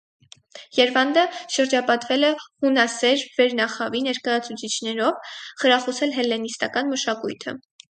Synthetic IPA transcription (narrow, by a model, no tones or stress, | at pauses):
jɛɾvɑnd̪əʃəɾd͡ʒɑpɑt̪vɛlɛhunɑsɛɾvɛɾnɑχɑvinɛɾkɑjɑt͡sʰut͡sʰit͡ʃʰnɛɾɔvχəɾɑχɔsɛlɦɛlːɛnist̪ɑkɑnməʃɑkujt̪ʰə̰